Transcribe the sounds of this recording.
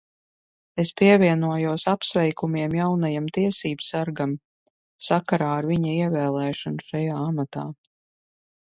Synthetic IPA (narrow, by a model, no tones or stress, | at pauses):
espiɛvʲiɛnuɔjuɔsapsvɛjkumiɛmjawnajamt̪iɛsiːbsaɾɡam | sakaɾaːaɾviɲaiɛvɛːlˠɛːʃanuʃajaːamat̪a̰ː